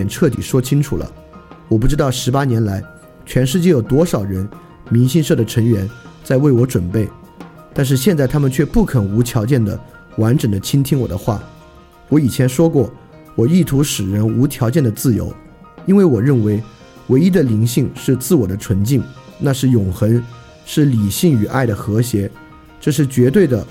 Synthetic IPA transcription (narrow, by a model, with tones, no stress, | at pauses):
ɛ˨˩nʈ͡ʂʰɤ˥˩t̪i˨˩ʂwɔ˥t͡ɕʰi˥ŋʈ͡ʂʰṵ˨˩lə̰˦ | wɔ˨˩p̬u˥˩ʈ͡ʂɻ̩˥t̪ɑ˥˩ʊʂɻ̩˧˥pa˥njɛ˧˥nla˧˥ɪ | t͡ɕʰɥɛ˧˥nʂɻ̩˥˧t͡ɕjɛ˥˩jo˨˩ʊt̪̬wɔ˥ʂɑ˨˩ʊɻə˧˥n | mi˧˥nɕi˥˧ŋʂɤ˥˩d̪ə˩ʈ͡ʂʰɤ˧˥ŋɥɛ˧˥nt͡sa˥˧ɪwe˥˩ɪwɔ˧˥ʈ͡ʂwə˨˩npe˥˩ɪ | t̪a˥˧nʂ̬ɻ̩˥˧ɕ̬jɛ˥˧nt͡sa˥˩ɪt̪ʰa˥mə˨t͡ɕʰɥɛ˥˧pu˥˩kʰə˨˩nu˧˥t̪ʰjɑ˧˥ʊt͡ɕjɛ˥˩nd̪ə̰˩ | wa˧˥nʈ͡ʂə˨˩ŋd̪ə˦t͡ɕʰi˥ŋt̪ʰi˥ŋwɔ̰˨˩d̪ə˦xwa̰˥˩ | wɔ˧˥i˨˩t͡ɕʰjɛ˧˥nʂwɔ˥kwɔ˥˩ | wɔ˨˩i˥˩t̪ʰu˧˥ʂɻ̩˨˩ɻə˧˥nu˧˥t̪ʰjɑ˧˥ʊt͡ɕjɛ˥˩nd̪ə˩t͡sɹ̩˥˩jo̰˧˥ʊ | i˥nwe˥˩ɪwɔ˨˩ɻə˥˩nwe˧˥ɪ | we˧˥ɪi˥d̪ə˨li˧˥ŋɕi˥˧ŋʂɻ̩˥˧t͡sɹ̩˥˩wɔ˨˩d̪ə˦ʈ͡ʂʰwə˧˥nt͡ɕi˥˩ŋna˥˧ʂɻ̩˥˩jʊ˨˩ŋxə˧˥n | ʂɻ̩˥˩li˨˩ɕi˥˩ŋy˨˩ʔa˥˩ɪɾə˩xɤ˧˥ɕjɛ˧˥ | ʈ͡ʂɤ˥˧ʂ̬ɻ̩˥˩t͡ɕɥɛ˧˥t̪we˥˩ɪd̪ə˩